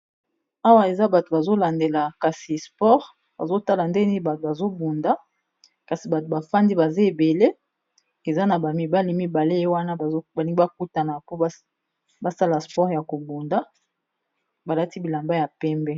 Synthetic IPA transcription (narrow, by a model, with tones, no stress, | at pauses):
a˦wa˦e˨za˦ba˨to˨ba˨zo˦la˨nde˨la˨ka˨si˨spɔ˦ʁ | ba˨zo˦ta˦la˨nde˦ni˦ba˨to˨ba˨zo˦bu˨nda˦ | ka˨si˨ba˨to˨ba˨fa˦ndi˦ba˨za˦e˨be˨le˦ | e˨za˦na˨ba˨mi˨ba˦li˨mi˦ba˨le˦je˦wa˦na˦˨˦ba˨li˦ŋɡi˦ba˦ku˦ta˨na˨po˦ | ba˦sa˦la˨spɔ˦ʁja˨ko˨bu˨nda˦ | ba˨la˦ti˦bi˨la˨mba˦ja˨pɛ˦mbɛ˦